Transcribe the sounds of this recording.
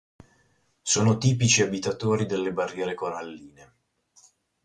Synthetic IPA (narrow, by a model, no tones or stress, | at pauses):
soːnot̪iːpit͡ʃiabit̪at̪oːɾid̪elːebarːjɛːɾekoɾalːiːne